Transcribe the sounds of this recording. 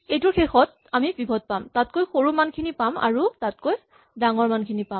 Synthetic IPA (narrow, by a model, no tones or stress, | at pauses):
ejtʊɹxexɔt̚ | amibibʱɔd̚pamtatkojxoɹumankʰinipama̰ɹutat̚koj | daŋɔɹmankʰinipam